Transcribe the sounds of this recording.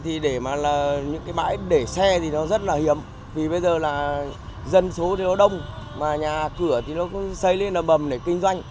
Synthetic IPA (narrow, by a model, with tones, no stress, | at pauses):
t̪ʰi˨˩ɗe˧˩maː˨˩laː˨˩ɲɨ̰˧˥ŋkaː˨˦jma̰ː˧˥jɗe˧˩sɛ˧t̪ʰi˨˩nɔ˨˦zə˦˥t̚laː˨˩hi˨˦əm | vi˨˩ɓə˧jzəː˨˩laː˨˩zə˧nso˨˦t̪ʰi˨˩nɔ˨˦ɗə˧wŋ͡mmaː˨˩ɲaː˨˩kɨ˧˩ət̪ʰi˨˩nɔ˨˦kʊ̰˧˥sə˧jle˧nlə˨˩mɓə˨˩mɗe˧˩kï˧ŋ̟zwa˧jŋ̟